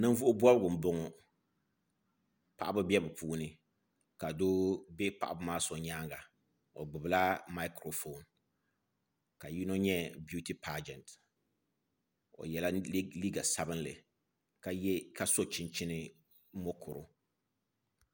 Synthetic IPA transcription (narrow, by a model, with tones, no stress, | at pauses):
nɨ˦n˦vʊ˦ʔʊ˦bɔ˦lɨ˦ɡʊ˨m̩˨bʊ˦ŋʊ˨ | pa̰˦˨ʔa˦bɨ˦bjɛ˦bɨ˨pʰuː˦nɨ˨ | ka˨doː˦bɛ˦pa˦˨ʔa˨bɨ˦maː˦so˨ɲaː˦ŋɡa˨ | o̰˨ɡ͡bɨ˨bɨ˨la˦ma˦kɾo˨fo˨n | ka˨ji˦no˦ɲɛ˦bju˦ti˦pʰa˦d͡ʒɛ˨nt | o̰˨jɛ˨la˦li˦ɡa˨sa˦bɨ˦nlɨ̰˨ | ka˨˦ka˨so˦t͡ʃɪ˦nt͡ʃɪ˦nɨ˦ | mo˦kʰʊ˨ɾʊ˨